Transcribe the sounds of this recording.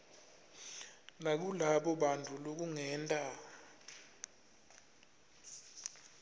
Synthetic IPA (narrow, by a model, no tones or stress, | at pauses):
nak̬ulaɓɔɓantʰʼulok̬uŋɛːntʼa